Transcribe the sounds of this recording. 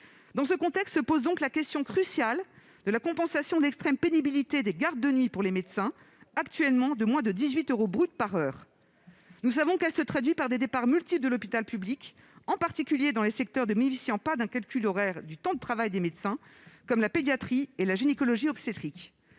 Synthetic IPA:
d̪ɑ̃səkɔ̃t̪ɛkst̪səpozd̪ɔ̃klakʲɛst̪jɔ̃kχysjal | d̪əlakɔ̃pɑ̃sasjɔ̃d̪ɛkst̪χɛmpenibilit̪ed̪eɡaʁd̪̚ːənɥipuʁlemed̪sɛ̃ | akt̪ɥɛlmɑ̃d̪əmwɛ̃d̪əd̪izɥit̪øʁobʁyt̪̚paʁœːʁ | nus̬avɔ̃kɛlsət̪χad̪ɥipaʁd̪ed̪epaʁmylt̪ipld̪əlɔpit̪alpyblik | ɑ̃paʁt̪ikʲyljed̪ɑ̃lesɛk̚t̪œʁd̪əminfisiɑ̃pad̪ɛ̃kalkʲylɔʁɛʁd̪yt̪ɑ̃d̪ət̪χavajd̪emet̪sɛ̃kɔmlaped̪jat̪χielaʒinekɔlɔʒiɔkset̪χik

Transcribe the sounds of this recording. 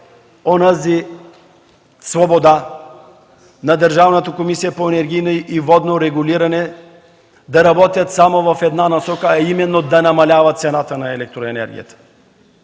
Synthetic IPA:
onazi | svobod̪a | nad̪əɾʒavnɐt̪əkomisijapoɛnɛɾɡʲijnoʔivɔd̪noɾɛɡuliɾɐnɛ | d̪aɾɐbɔt̪ʲjɐt̪samovɐfɛd̪nanasɔkəaimɛnːod̪anɐmɐlʲavɐt̪sɛnat̪ənaɛlɛk̚t̪ɾoɛnɛ̰ɾɡʲḭjə̰t̪ə̥

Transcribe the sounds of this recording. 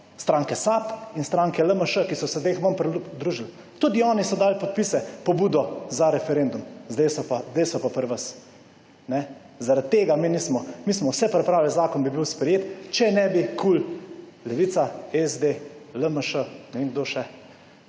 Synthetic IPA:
st̪ɾaːŋkɛsapinst̪ɾaːŋkɛləməʃəkisɔsɛzd̪exməmpɾɛud̪ɾuʒil | t̪ud̪iɔːnisɔd̪aːlpɔt̪̚pisɛpɔbuːd̪ɔzaɾɛfɛɾeːnd̪umzd̪ejsɔpazd̪eɪsɔpapəɾʋəs | nɛ | zaɾat̪ːeːɡamiːnismɔmismɔwsɛpɾɛpɾaːwlɛzaːkɔnbibiwspɾɛjeːt̪t͡ʃɛnɛbikʰullɛʋiːt̪saɛzd̪eləməʃənɛʋeːŋɡ̚d̪oʃɛ

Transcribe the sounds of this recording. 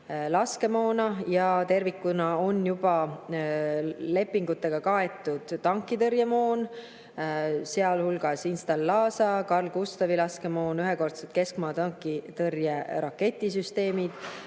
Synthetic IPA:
lɑske̞mo̞ːnɑjɑt̪e̞rvikːunɑo̞njub̥ɑ | le̞pːiŋɡut̪ːˑe̞ɡ̥ɑkɑe̞t̪ːˑud̪̥ːɑŋkːˑit̪ɤɾjemo̞ːn | se̞ɑlhulɡ̥ɑsinst̪ɑlːɑːsɑkɑrlɡ̥ust̪ɑvilɑske̞mo̞ːnyɦeko̞rt̪selt̪̚ke̞skmɑːt̪ɑŋkːˑit̪ɤrjeɾɑkːe̞t̪ʲːˑisyst̪e̞ːmid̪̥

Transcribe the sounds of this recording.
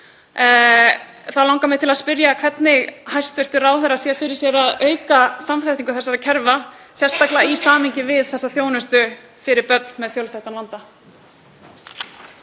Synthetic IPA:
θawlawŋkamɪt̪ʰɪlaðspɪɾjakʰv̥ɛt̪nɪɣhajst̪vɪr̥t̪ʏɾaːwθɛɾasjɛɾfɪɾɪ̥ɾsjɛɾaðœːɥkasamfɛft̪iŋkʏθɛsːaɾacʰɛɾvasjɛr̥st̪aklaistaːmɪɲcɪvɪðθɛsːaθjoːwnʏst̪ʏ | fɪɾɪɾpœt̪nmɛðθjowlθɛht̪alant̪a

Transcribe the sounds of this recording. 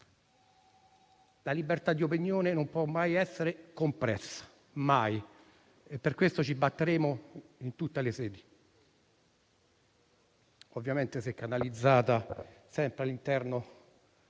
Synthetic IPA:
lalibert̪ad̪ːiop̬injoːnenompwɔmːajɛsːeɾekompɾɛsːḁ | maj | epːerkwest̪ot͡ʃibːat̪ːeɾeːmoint̪ut̪ːelesɛːd̪i | ovːjament̪esɛkːanalid̪zːaːt̪asɛmpɾealːint̪ɛrno

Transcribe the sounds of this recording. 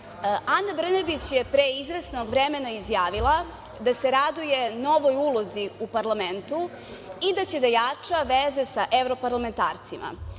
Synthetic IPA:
ʔanːabr̩nebit͡ɕjepɾeizɾesnoɡʋɾeme̞naizjaːʋilˠa | d̪aseɾad̪uje̞no̞ʋo̞julˠo̞ziupaɾlˠament̪u | id̪at͡ɕe̞d̪ajat͡ʂaʋeze̞saʔevɾo̞paɾlˠame̞nt̪a̰ːɾt̪sima̰

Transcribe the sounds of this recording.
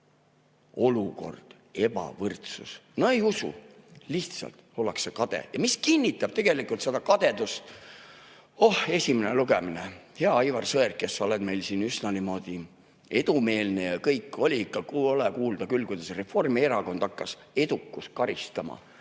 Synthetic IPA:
o̞luko̞̰rd̪̥ | e̞bɑ̰vɤrt̪sṵsno̞e̞jusṵliht̪sɑ̰lt̪o̞lːɑksːekɑd̪̥ḛjɑmiskinʲːit̪ːˑɑb̥̚t̪e̞ɡ̥e̞likult̪se̞d̪ɑkɑd̪̥e̞d̪ust̪ | o̞he̞sʲimeneluɡe̞mineheɑɑjvɑrsɤerkːesːo̞lɛd̪̥me̞jlsinysnɑnimo̞d̪̥i | e̞d̪ume̞ːlne̞jɑkɤjkːˑo̞lʲiikːɑkolɛkuːld̪̥ɑkylkujd̪̥ɑsre̞fo̞rmieɾɑko̞nd̪ɑkːɑs | e̞d̪ukːˑus̚kɑɾist̪ɑmɑ̰

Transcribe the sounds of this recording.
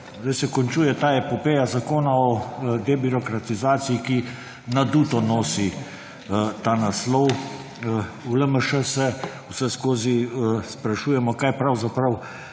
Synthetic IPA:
zd̪ɛjsɛkɔnt͡ʃujɛt̪aːɛpɔpeːjazakoːnaɔd̪ebiɾɔkɾat̪izaːt̪sijiki | nad̪uːt̪ɔnɔːsi | t̪aːnaslɔw | uləməʃəsɛ | usɛskoːzispɾaʃuːjɛmɔkaːjpɾawzapɾaw

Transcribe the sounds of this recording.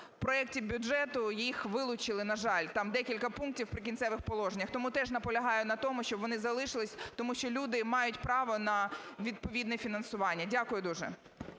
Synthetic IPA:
pɾɔɛk̚tʲibʲʊʒɛt̪ʊjixʋɪlˠʊt͡ʃɪlˠɪnɐʒɑlʲt̪ɑmd̪ɛkʲilʲkɐpunk̚tʲiwpɾɪkʲinsɛʋɪxpɔlˠɔʒenʲːɐxt̪ɔmut̪ɛʒnɐpɔlʲɐɦɑjʊnɐt̪ɔmʊʃt͡ʃɔbʋɔnɪzɐlˠɪʃɪlˠɪsʲt̪ɔmuʃt͡ʃɔlʲud̪ɪmɑjʊtʲpɾɑʋɔnɐʋʲid̪̚pɔʋʲid̪nɛfʲinɐnsʊʋɑnʲːɐdʲakʊjʊd̪uʒɛ̰

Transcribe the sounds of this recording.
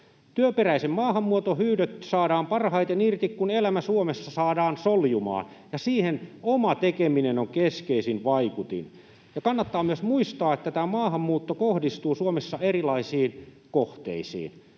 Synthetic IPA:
t̪yøperæisemmɑːhɑmːuot̪ohyːdøt̪sɑːdɑːmpɑrhɑit̪enirt̪ikkunelæmæsuomesːɑsɑːdɑːnsoljumɑ̰ːn | jɑsiːhenomɑt̪ekeminenoŋkeskeisinʋɑikut̪ḭn | jɑkɑnːɑt̪ːɑːmyøsmuist̪ɑːet̪ːæt̪æːmɑːhɑmːuːt̪ːokohdist̪uːsuomesːɑerilɑisiːn | koht̪ḛisḭːn

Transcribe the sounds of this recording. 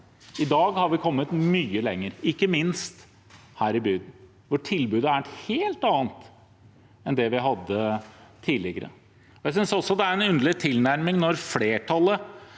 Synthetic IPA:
ɪd̪ɑːɡhɑɾʋɪkʰɔmːət̪myːəlɛŋːəɾɪkːəmɪnst̪ | hæːɾɪbyːd̪n̩ | ʋɔʈʰɪlbʉːd̪əæɾheːlt̪ɑːnt̪ | ɛnd̪ɛʋɪɦɑd̪ːət̪ʰiːlɪɡəɾə̰ | ɔjæɪsʏnsɔsɔd̪ɛæɾɛnʉnd̪əɭɪt̪ʰɪlnæɾmɪŋnɔɾfleːʈʰɑlːə

